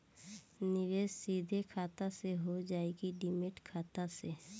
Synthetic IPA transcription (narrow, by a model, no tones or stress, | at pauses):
nɪʋeːssiːd̪ʱekʰaːt̪aseɦod͡ʒaːeɡiɖɪmɪʈkʰaːt̪ase